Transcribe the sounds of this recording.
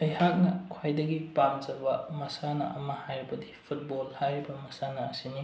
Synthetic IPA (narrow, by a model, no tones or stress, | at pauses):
ɐjhak̚nɐkʰwajdɐɡipamzɐbɐmɐsanɐ̰ʔɐmɐhajɾibɐdipʰut̚bolhajɾibɐmɐsanɐːsini